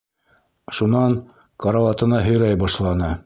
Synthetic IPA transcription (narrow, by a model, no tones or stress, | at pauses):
ʃunɑn | kɑɾɑwɑt̪ɤ̆nɑɦɵ̆jɾæjbɑʃlˠɑnɤ